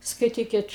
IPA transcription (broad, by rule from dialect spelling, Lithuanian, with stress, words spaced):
skɐɪˈtʲiːkʲɪt